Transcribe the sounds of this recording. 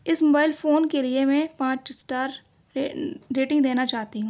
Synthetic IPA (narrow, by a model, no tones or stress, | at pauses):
ɪsmoːbaːɪlfoːnkeliemɛ̃pãːt͡ʃsʈaːɾ | ɾeːʈɪ̃ŋɡd̪eːnat͡ʃaːɦt̪iɦũː